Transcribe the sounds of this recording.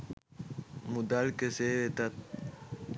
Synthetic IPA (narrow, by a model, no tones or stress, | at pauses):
mud̪alkeseʋet̪ɐt̪̚